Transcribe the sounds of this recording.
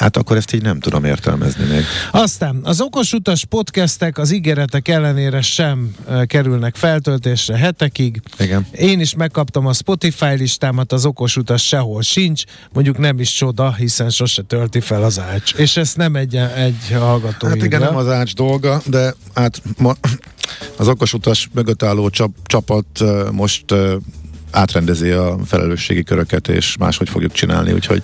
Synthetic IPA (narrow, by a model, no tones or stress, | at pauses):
ha̰t̪ɒkːoɾɛst̪iːɟnɛmt̪ud̪o̰mḛːrt̪ɛ̰lmɛ̰znḭmḛːɡɒst̪aːnɒzo̞ko̞ʃut̪ɒʃpo̞t̪kɛst̪ɛkɒziɡeːɾɛt̪ɛkɛlːɛneːɾɛʃɛmkɛɾylnɛkfɛlt̪ølt̪eːʃrɛɦɛt̪ɛkiɡiɡɛneːniʃmɛkːɒpt̪ɒmɒspo̞t̪ifaːjliʃt̪aːmɒt̪ɒzo̞ko̞ʃut̪ɒʃʃɛɦo̞lʃint͡ʃ | mo̞ɲɟuknɛmiʃt͡ʃo̞d̪ɒɦisɛnʃo̞ʃɛt̪ølt̪ifɛlɒzaːt͡ʃeːʃɛst̪nɛmɛɟːɛɛɟːhɒlɡɒt̪oajit̪iɡɛnɒzaːd͡ʒd̪o̞lɡɒd̪ɛaːt̪mɒ | ɒzo̞ko̞ʃut̪ɒʃmøɡøt̪ːaːlːoːt͡ʃt͡ʃɒpɒt̪mo̞ʃt̪ː | aːt̪rɛnd̪ɛziɒfɛlʔɛ̰løːʃːḛːɡikøɾøkɛt̪ḛːʃma̰ːʃho̞cfo̞̰ɡjukt͡ʃina̰ːlnḭṵːcʰho̰ɟ